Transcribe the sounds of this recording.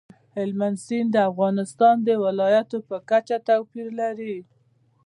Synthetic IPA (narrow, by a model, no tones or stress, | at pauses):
hɪlmansind̪əafɣɑnɪst̪ɑnd̪əwɪlɑjat̪opəkat͡ʃat̪awpiɾlaɾi